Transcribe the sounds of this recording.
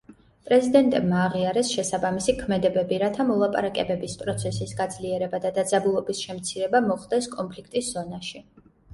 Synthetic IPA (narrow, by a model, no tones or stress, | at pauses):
pʼɾɛzid̪ɛnt̪ʼɛbmaːʁiaɾɛsʃɛsabamisikʰmɛd̪ɛbɛbiɾat̪ʰamɔlˠapʼa̰ɾakʼɛbɛbispʼɾɔt̪sʰɛsisɡad̪zliɛɾɛbad̪ad̪ad̪zabulˠɔbisʃɛmt̪sʰiɾɛbamɔχlˠd̪ɛskʼɔnpʰlikʰt̪ʼisz̥ɔnaʃi